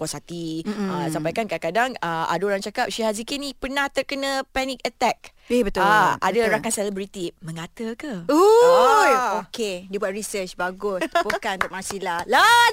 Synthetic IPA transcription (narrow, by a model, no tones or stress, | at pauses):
kwasat̪iasampajkankakadaŋəa̰doɾaŋt͡ʃakap̚ʃihazikinipərnãht̪ərkənə̃pɛnĩk̚ət̪ɛk̚ | ebət̪aa̰daɾakansɛlɛbɾit̪imə̃ŋat̪əkəu | okedibuat̪̚ɾisət͡ʃbaɡʊspukant̪ɔʔmãsilala